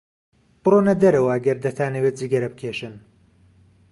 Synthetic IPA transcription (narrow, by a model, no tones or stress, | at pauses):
b̥ɨronɐd̪ɐɾɐwɐɐɡɐɾd̪ɐt̪ʰaːnɐwet̪̚ziːɡɐɾɐbɨkʰeʃɨn